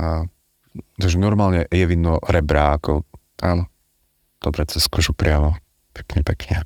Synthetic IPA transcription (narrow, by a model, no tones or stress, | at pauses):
a | t̪aɡʒɛnɔɾmaːlɲɛjɛʋinːɔɾɛbɾaːkʰɔ | ʔaːnɔ | d̪̥ɔbɾɛt͡sɛskɔʒupɾɪamɔ | pɛ̥kɲɛpɛkɲɛ